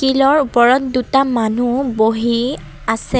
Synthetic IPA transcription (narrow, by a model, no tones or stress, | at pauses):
kilɔɹupɔɹɔtdutamanuboɦi | asɛ